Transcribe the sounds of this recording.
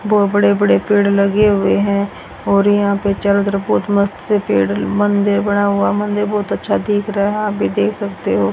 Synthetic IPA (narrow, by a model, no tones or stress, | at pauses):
bɔːbəɽebəɽepeːɽləɡeɦʊeɦɛ̃ː | ɔːɾjɐɦãpet͡ʃəlot̪ɾbɔːt̪məst̪sepeːɽmə̃nd̪ɪɾbəɽ̃aɦʊamə̃nd̪ɪɾbɔːt̪ətːʃʰad̪ʱiːkʰɾəɦɦaːpbʱid̪eːkʰsəkt̪eɦoː